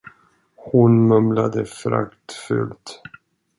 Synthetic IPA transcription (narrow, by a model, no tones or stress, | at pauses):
hʊnmɵmlad̪əfɾa̰kt̪fʏ̰lt̪